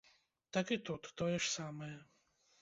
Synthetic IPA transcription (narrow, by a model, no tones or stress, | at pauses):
t̪akit̪ut̪ːɔjɛʂsamɛjɛ